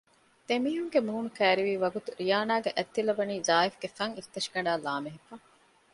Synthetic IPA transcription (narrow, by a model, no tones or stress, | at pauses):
d̪̥emiːɦuŋɡemuːnukæːɾiʋiːʋɐɡut̪uɾijaːnaːɡeʔæt̪ːilɐbɐniːzaːifɡefɐŋit̪ːɐʃɡɐɖaːlaːmeɦefɐ